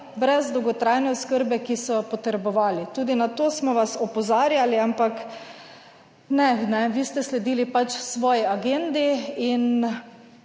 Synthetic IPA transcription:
bɾɛzd̪ɔwɡɔt̪ɾajnɛoskəɾbɛkisɔjɔpɔt̪ɾɛbɔʋaːlit̪uːd̪inat̪oːsmɔʋasɔpɔzaːɾjaliampak | nɛnɛʋiːst̪ɛslɛd̪iːlipat͡ʃsʋɔːjiaɡend̪iin

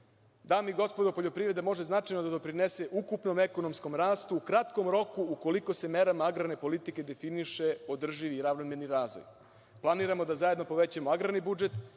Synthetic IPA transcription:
d̪aːmiɡo̞spod̪opoʎo̞pɾiʋɾe̞d̪emo̞ʒe̞znat͡ʃajnod̪ad̪o̞pɾinese̞ʔukupno̞meko̞nomsko̞mɾaːst̪uukɾat̪ko̞mɾo̞kuuko̞liko̞se̞me̞ɾamaaɡɾane̞po̞lit̪ike̞d̪e̞finiʃe̞o̞d̪r̩ʒiʋiːɾaʋnomeɾniɾaːzʋo̰j | plˠaniːɾamo̞d̪azaje̞d̪no̞po̞ʋet͡ɕamoaɡɾanibud͡ʒe̞t̪

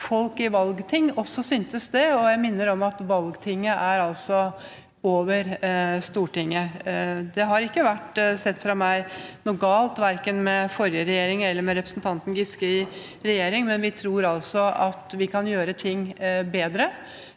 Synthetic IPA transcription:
fɔlkɪʋɑlɡt̪ʰɪŋːɔsːɔsyːnt̪əsd̪ɛɔjæɪmɪnːəɾɔmɑt̪ʋɑlɡt̪ʰɪŋːəʔæɾɑlsɔ | oːʋəɾst̪uːʈɪŋːəd̪ɛɦɑɾɪkːəʋæʈsɛt̪ːfɾɑmæɪnɔɡɑːlt̪ʋæɾkənmɛfɔɾjəɾɛjeːɾɪŋɛlːəɾmɛɾɛpɾəsnt̪ʰɑnt̪n̩ɡɪskəɪ | ɾɛjeːɾɪŋmɛnʋɪt̪ʰɾuːɾɑlsɔɑt̪ʋɪkʰɑnjøːɾət̪ʰɪŋbeːd̪ɾə

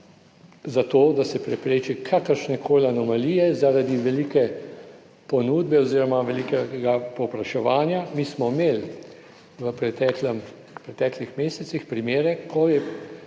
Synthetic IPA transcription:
zat̪oːd̪asɛpɾɛpɾeːt͡ʃikʰakəɾʃnɛkʰoːlanɔmaliːjɛzaɾad̪iʋɛliːkɛ | pɔnuːd̪bɛoziːɾɔmaʋɛlikɛɡapɔwpɾaʃɛʋaːnjamiːsmɔmeːl | ʋəpɾɛt̪ɛːklɛm | pɾɛt̪ɛːklixmeːsɛtsixpɾimeːɾɛkʰojɛ

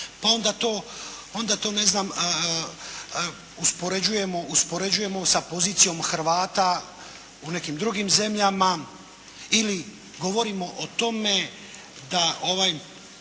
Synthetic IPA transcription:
pao̞nd̪at̪o̞ːo̞nd̪at̪o̞ːne̞znam | uspo̞ɾe̞d͡ʑuje̞mo̞ʔuspo̞ɾe̞d͡ʑuje̞mo̞sapo̞ziːt̪sijo̞mxɾ̩ʋaːt̪a | une̞kimd̪ɾuɡimze̞mʎama | ili | ɡo̞ʋo̞ɾimo̞ʔot̪o̞me̞ | d̪aʔo̞ʋaj

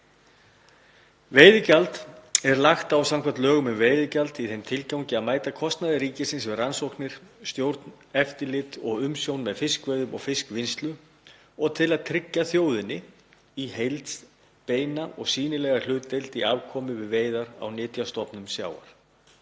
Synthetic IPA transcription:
veːjðɪcalt̪ɛɾlaxt̪awsamkʰvant̪lœːɣʏmʏmveːjðɪcalt̪iθejmt̪ʰɪlcawɲcɪaðmaːjt̪akʰɔst̪naðɪɾiːcɪsɪnsvɪðransowknɪɾ̥st̪jowɾt̪n | ɛft̪ɪlɪt̪ɔɣʏmsjownmɛðfɪskvejðʏmɔ̰ɣfɪskvɪnst̪lʏ | ɔɣt̪ʰɪlaðt̪ʰɾɪcːaθjoːwðɪnɪ | iɦejlt̪s | peːjnaʔɔɣsiːnɪlɛɣalʏːt̪ːejlt̪iavkʰɔːmɪvɪðveːjðaɾa̰wnɪːt̪jast̪ɔpnʏmsja̰ːwa̰ɾ̥

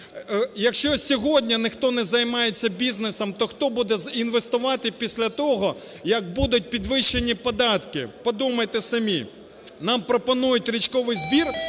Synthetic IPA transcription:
jɐkʃt͡ʃɔsʲɔɦɔdʲnʲɐnɪxt̪ɔnɛzɐjmɑjet͡sʲːɐbʲiznesɐmt̪ɔxt̪ɔbud̪ɛzinʋest̪ʊʋɑt̪ɪpʲisʲlʲɐt̪ɔɦɔ | jɐɡ̚bud̪ʊt̚ʲpʲid̪ʋɪʃːenʲipɔd̪ɑt̪kɪ̰pɔd̪umɐjt̪ɛsɐmʲi | nɑmpɾɔpɔnujʊtʲɾʲit͡ʃkɔʋɪjzbʲir

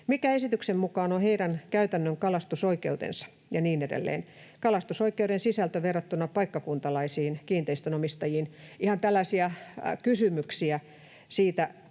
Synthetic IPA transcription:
mikæesit̪yksemmukɑːnoheiɾænkæyt̪ænːøŋkɑlɑst̪usoikeut̪ḛnsɑ̥ | jɑniːnedḛlːḛːn | kɑlɑst̪usoikeuɾensisælt̪æʋerːɑt̪ːunːɑpɑikːɑkunt̪ɑlɑisiːnkiːnt̪eist̪ønomist̪ɑjiːnihɑnt̪ælːæsiækysymyksiæ | siːt̪æ

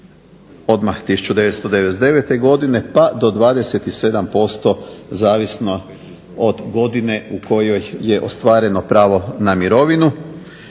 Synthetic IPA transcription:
o̞d̪maxt̪isu̥t͡ʃud̪e̞ʋest̪o̞d̪eʋed̪e̞ʋet̪e̞ɡo̞d̪ine̞pad̪o̞d̪ʋaːd̪e̞se̞t̪ise̞d̪ampo̞st̪o̞zaːʋisno̞ | od̪ɡo̞d̪ine̞ukʰo̞jo̞jːeʔo̞st̪ʋaːɾe̞no̞pɾaːʋo̞namiɾo̞ʋinu

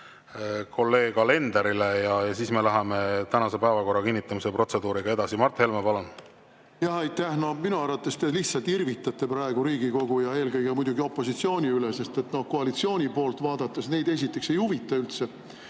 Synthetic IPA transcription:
kʰo̞lːe̞ːɡ̥ɑle̞nd̪eɾilejɑsiːsmelæɦemet̪ænɑse̞pæːvɑko̞rːɑkinːit̪ːˑɑmisepro̞t̪se̞d̪uːɾiɡ̥ɑe̞d̪̥ɑsimɑrt̪he̞lmepɑlon | jɑhejt̪ːˑæhnominuɑrvɑt̪ːˑest̪e̞liçt̪sɑlt̪irvit̪ːˑɑt̪ːˑe̞pɾɑe̞ɡ̥uɾiːɡiko̞ɡ̥ujɑe̞ːlkɤjɡemujd̪̥uɡio̞pːˑo̞sit̪sio̞ːnʲiylese̞st̪e̞t̪no̞hko̞ɑlit̪sio̞ːnʲipo̞ːlt̪ˑvɑːd̪̥ɑt̪ːˑesne̞jd̪e̞sit̪ːˑe̞kse̞juvit̪ːˑɑylt̪se̞

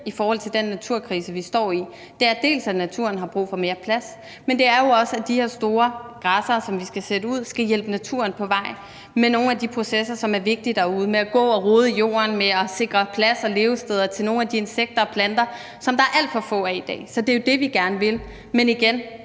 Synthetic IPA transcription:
ifɒːhɒ̽l̰t͡sʰe̝ld̥enːæt͡sʰuɐ̰kʰʁiːsəʋisd̥ɒ̰ːi | d̥e̝æɐd̥e̝̰ːlsænæt͡sʰuɐn̩ɦɑ̈b̥ʁṵːfɒ̽me̝ːɐpʰlæs | mend̥e̝æɐjo̝ɒ̽səæd̥iheɐsd̥o̝ːɐɡ̥ʁɑsɐːsɒ̽mʋisɡ̥æseɾəuð̞̰ˠsɡ̥æjel̰b̥ənæt͡sʰuɐnpʰɒ̽ʋɑ̈ɪ̰ | meno̝ːn̩æd̥ipʰʁo̝sesɐsɒ̽mæɐʋe̝ɡ̥̚d̥id̥ɑuːð̞̩ˠmeæɡ̥ɔ̰̽ːɒ̽ʁoːð̞ˠəjo̝̰ːɐnmeɒse̝ɡ̥ʁɐpʰlæsɒ̽le̝ːʊsd̥eð̞ˠɐt͡sʰe̝lno̝ːn̩æd̥ie̝nseɡ̥̚d̥ɐ̽ːpʰlænd̥ɐ | sɒ̽md̥ɑ̈æɐʔæl̰d̥fɒ̽fɔ̰̽ːæid̥ɛ̰ːsɒ̽d̥e̝jo̝d̥e̝ʋiɡ̥æɐnəʋe̝l | meniɡ̥en

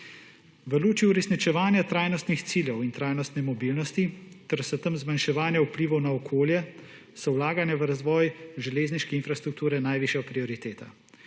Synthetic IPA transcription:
ʋəluːt͡ʃiuɾɛsnit͡ʃɛʋaːnjat̪ɾaːjnɔst̪nixt̪siːljɛwint̪ɾaːjnɔst̪nɛmɔbiːlnɔst̪it̪ɛɾsɛt̪əmzmanʃɛʋaːnjaupliːʋɐwnaɔkʰoːljɛ | sɔwlaːɡanjɛʋəɾazʋɔːjʒɛleːzniʃkɛinfɾast̪ɾuk̚t̪uːɾɛnajʋiːʃjɛpɾiɔɾit̪eːt̪a̰

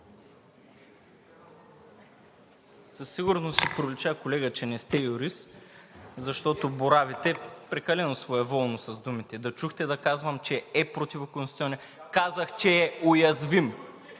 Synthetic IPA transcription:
sɐsiɡʊɾnosipɾovlʲit͡ʃakolɛɡət͡ʃɛnɛst̪ɛjʊɾis | zɐʃt̪ɔt̪oboɾavit̪ɛpɾɛkɐlɛnosvoɛvɔlˠnosɐzd̪umit̪ɛd̪ɐt͡ʃuxt̪ɛd̪ɐkazvəmt͡ʃɛɛpɾot̪ʲivokonʲit̪iɔnɛ | kazəxt͡ʃɛːojɐzvim

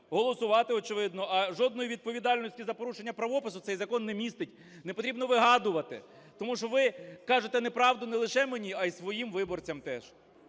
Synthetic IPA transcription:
ɦɔlˠɔsʊʋɑt̪ɪɔt͡ʃɪʋɪd̪nɔʔɐʒɔd̪nɔjiʋʲid̪̚pɔʋʲid̪ɑlʲnɔsʲtʲizɐpɔɾuʃenʲːɐpɾɐʋɔpɪsʊt̪ɛjzɐkɔnːɛmʲist̪ɪtʲ | nɛpɔt̪ɾʲibnɔʋɪɦɑd̪ʊʋɐt̪ɪ̰ | t̪ɔmuʃɔʋɪkɑʒet̪ɛnɛpɾɑʋd̪ʊnɛlˠɪʃɛmenʲiɐjsʋɔjimʋɪbɔrt͡sʲɐmt̪ɛʃ

